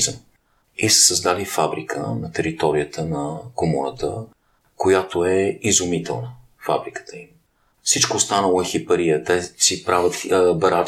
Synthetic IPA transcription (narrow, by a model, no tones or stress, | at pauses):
zə | isə̥səzd̪alifabɾikʰə̰nɐt̪ɛɾit̪ɔɾijət̪ʰənɐkomoɾət̪ə̰ | kojat̪oɛizʊmit̪ɛ̰lˠnə | fa̰bɾikə̥t̪əim | fsit͡ʃkoːst̪anəlˠoɛxipəɾijət̪ɛsipɾavʲət̪bəɾa